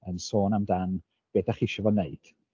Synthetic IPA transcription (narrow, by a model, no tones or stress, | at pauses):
ənsoːnamdan | b̥ɛːdaχiʃɔvɔneɨd̥